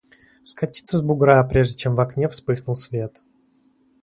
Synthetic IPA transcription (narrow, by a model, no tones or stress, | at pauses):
skɐtʲi̥t̪səzbʊɡɾapɾʲe̞ʐdʲɪt͡ɕe̞mvɐknʲefspɨxnʊlˠsvʲe̞t̪